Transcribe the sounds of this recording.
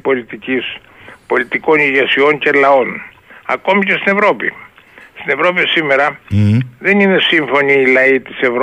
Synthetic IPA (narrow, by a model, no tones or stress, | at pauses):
po̞lit̪icis | po̞lit̪iko̞niʝesio̞ɲce̞lɐo̞n | ɐ̰ko̞micest̪ine̞vɾo̞pḭst̪ine̞vɾo̞p̬isime̞ɾɐ | ðe̞nine̞siɱfo̞niːlɐit̪ise̞vɾ